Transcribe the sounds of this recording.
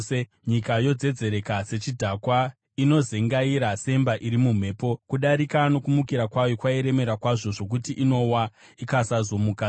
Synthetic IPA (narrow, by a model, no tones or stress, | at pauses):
e | ɲikajo̞d͡ze̞d͡ze̞ɾe̞kaset͡ʃidʱakwa | ino̞zeŋɡaiɾase̞mbaʔiɾimum̤e̞ːpo̞kuɗaɾikano̞kumukiɾakwajokwaiɾe̞me̞ɾakwaʐo̞ʐo̞k̬utiʔino̞wa | ikasazo̞muka